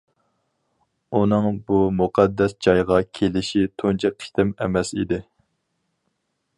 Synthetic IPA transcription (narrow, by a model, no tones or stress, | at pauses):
unɨŋbumuqʰɑd̪ːɛsd͡ʒɑjʁɑkʲʰelɪʃit̪ʰont͡ʃʰɛqʰi̥t̪ɪmɛmɛsḭd̪ɪ